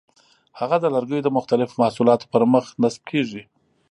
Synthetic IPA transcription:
haɣad̪əlaɾɡəjod̪əmʊxt̪alɪfomahsulɑt̪o̥pəɾməxnasb̚kʰeʐi

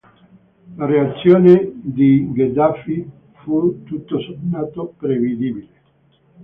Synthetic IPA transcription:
lareat̪sːjoːned̪iɡed̪afi | fut̪ːut̪ːosonaːt̪opɾevid̪ibile

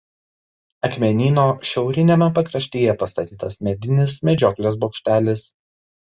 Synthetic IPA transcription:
ɐkmʲɛnʲiːnoːʃʲɛʊɾʲɪnʲeːmʲɛpɐkɾɐʃʲt̪ʲeːjɛpɐst̪ɐt̪ʲiːt̪ɐsmʲɛd̪ʲɪnʲɪsmʲɛd͡ʒʲɔːklʲeːsboːkʃʲt̪ʲæːlʲɪs

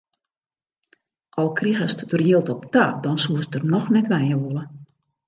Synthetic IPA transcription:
ʔɔlˠkriɣəstdərjiəlˠtɔptadɔnsuəsdərnɔxnɛtʋɛjəʋolˠə

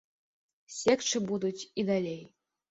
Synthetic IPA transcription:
sʲekt͡ʂɨbud̪ut͡sʲid̪alʲej

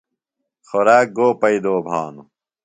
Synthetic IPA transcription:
xoɾaːk̚ɡoːpɐid̪oːbʱaːnu

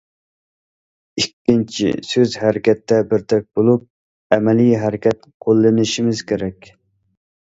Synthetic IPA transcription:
ikʲːint͡ʃʰḭsøzhæɾɪkʲʰɛt̪ːɛbɪɾt̪ʰɛk̚ʲbolˠup̚ | ɛmɛlijɦæɾɪkʲʰɛt̪̚qʰolˠːɨnɪʃimɪzkʲeɾɛkʲ

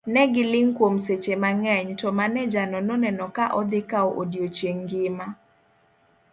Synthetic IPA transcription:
nɛɡɪlɪŋkwomset͡ʃemaŋɛɲtɔmanɛd͡ʒanɔnɔnɛnɔkaʔɔd̪ɪkaɔʔodjot͡ʃjeŋɡɪma

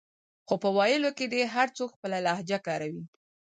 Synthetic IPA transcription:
xopəwɑjɪloked̪eɦaɾt͡sokxpəlalahd͡ʒakɑɾawi

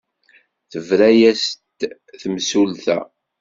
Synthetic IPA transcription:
θəvɾæjæst̪ | θəmsulθæ̰

